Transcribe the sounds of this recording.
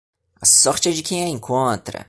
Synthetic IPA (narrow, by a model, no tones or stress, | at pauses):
ɐsɔɾt͡ʃɪɛd͡ʒɪkẽj̃ɐẽŋkʰõnt̪ɾɐ̰